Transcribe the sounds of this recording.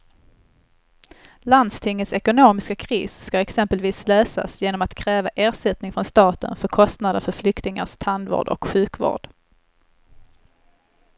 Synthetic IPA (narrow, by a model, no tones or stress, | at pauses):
land̪st̪ʰɪŋːət̪sɛkʊnoːmɪskakʰɾḭːsːkaɛksɛmpəlviːsløːsa̰sjeːnɔmat̪kʰɾɛːvaʔeːɾʂɛt̪̚nɪŋfɾɔnst̪ɑːt̪ə̰nfœɾkʰɔst̪nad̪əɾfœɾflʏkt̪ɪŋa̰ʂt̪ʰand̪vo̰ːɖɔ̰kɧʉ̟ːkvo̰ːɖ̥